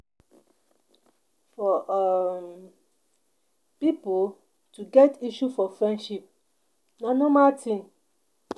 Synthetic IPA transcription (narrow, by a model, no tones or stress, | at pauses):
fɔ | pipo | tuɡɛtiʃufɔfɾɛ̃nʃip̚ | nɔ̃nɔ̃matʰĩn